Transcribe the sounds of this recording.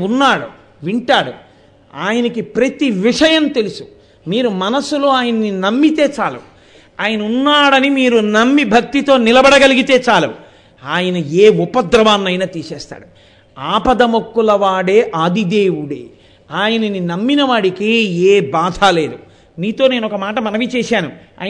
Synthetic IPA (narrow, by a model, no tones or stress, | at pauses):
unːaːɽṵ | ʋiɳʈaːɽṵ | aːjɐnɐkipɾɐt̪iʋiʂɐjɐmt̪e̞lusu̥ | miːɾumɐnɐsulo̞ːaːjɐnɐninɐmːit̪e̞ːt͡ʃaːlṵ | aːjɐnɐunːaːɽɐnimiːɾunɐmːibʱɐk̚t̪it̪o̞ːnilɐbɐɽɐɡɐliɡit̪e̞ːt͡ʃaːluu | aːjɐnɐeːupɐd̪ɾɐʋaːnːɐjnaːt̪iːsɛːst̪a̰ːɽu | aːpɐd̪ɐmokːulɐʋaːɽe̞ːʔaːd̪id̪eːwuɽḛː | aːjɐnɐninɐmːinɐʋaːɽikieːbaːd̪ʱaːle̞ːd̪u | niːt̪o̞ːne̞ːnɔkɐmaːʈɐmɐnɐʋit͡ʃɛːʃaːnu | a̰ːj